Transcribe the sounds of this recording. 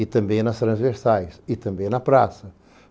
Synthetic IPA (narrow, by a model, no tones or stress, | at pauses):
it̪ɐ̃mbẽj̃nɐʃt̪ɾɐ̃zveɾsajʃit̪ɐ̃mbẽj̃nɐpɾasɐ